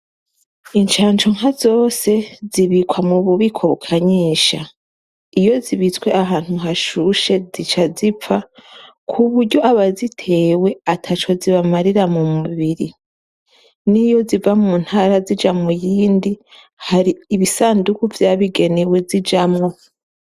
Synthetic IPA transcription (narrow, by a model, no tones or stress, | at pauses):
iɲt͡ʃaːɲt͡ʃoŋ̥hazo̞ːse̞ziβikwamuβuβikʰo̞βukʰaɲiːʃa | ijo̞ziβitwe̞aɦaːn̥huɦaʃuʃe̞zit͡ʃazip͡fa | kʰuβuɾɟo̞aβazitʰe̞ːwe̞atʰat͡ʃo̞ziβamaɾiɾamumuβiɾi | nijo̞zivamuːn̥haːɾazid͡ʒamŋujiːndi | haɾiːβisaːndukuvjaːβiɡe̞ne̞we̞zid͡ʒamŋo̞